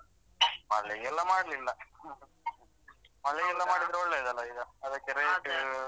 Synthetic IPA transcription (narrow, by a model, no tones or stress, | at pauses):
mɐ̰lːeɡɛlːɐmaːɽlilːɐ | mɐlːɛɡɛlːɐmaːɽid̪ɾɐɔɭːeid̪ɐlːɐid̪ɐɐd̪ɐkːeɾejʈː